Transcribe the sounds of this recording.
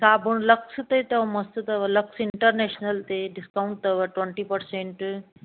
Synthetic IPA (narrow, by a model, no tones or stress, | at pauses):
saːbʱuɳ̃lɐksɨt̪ɐit̪ɐʋɐmɐst̪ɨt̪ɐʋɐlɐksɪɳʈəɾneːʃnɐlt̪eɖɪskauɳʈ̚t̪ɐʋɐʈweɳʈipɐɾseɳʈ